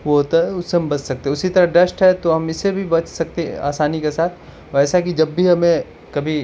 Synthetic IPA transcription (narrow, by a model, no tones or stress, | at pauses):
ʋoɦoːt̪aɦɛʊsːeɦɐmbɐt͡ʃsɐk̚t̪eɛʊsit̪ɐɾɐɖɐsʈɦɛt̪oɦɐmɪsːebʱibɐt͡ʃʰsɐk̚t̪eɛa̰ːsaːnikesaːt̪ʰ | ɔɾɛːsakid͡ʒɐbːʱiɦɐmẽ | kɐbʱi